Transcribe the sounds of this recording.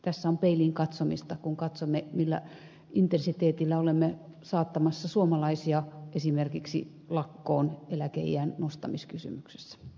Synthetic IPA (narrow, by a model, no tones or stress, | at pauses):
t̪æsːæompeiliŋkɑt̪somist̪ɑkuŋkɑt̪somːemilːæ̰ | ʔint̪ensit̪eːt̪ilːæolemːesɑːt̪ːɑmɑsːɑsuomɑlɑisiɑʔesimerkiksḭ | lɑkːoːnelækḛiænnost̪ɑmiskysy̰mykse̥sːæ̥